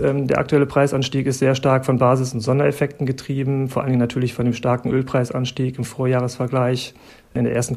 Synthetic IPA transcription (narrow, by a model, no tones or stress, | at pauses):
ʔɛːmdeːɐʔak̚tuɛləpʁ̥aɪsʔanʃtiːkɪstz̥eːɐʃtaɐkfɔnbaːzɪsʊntz̥ɔndɐɛfɛk̚tn̩ɡətʁ̥iːbm̩foɐʔalnɪŋənatʰyːɐlɪçfɔndeːmʃtaɐkŋ̩ʔøːlpʁ̥aɪsʔa̰nʃtiːkɪmfoːɐjaːʁ̞əsfɛɐɡlaɪç | ʔɪndeːɐʔeɐstn̩